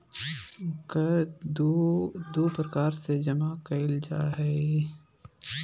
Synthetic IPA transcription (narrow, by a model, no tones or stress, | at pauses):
ka | d̪uːpɾəkaːɾsed͡ʒɐmakɐɪld͡ʒaːɦɛ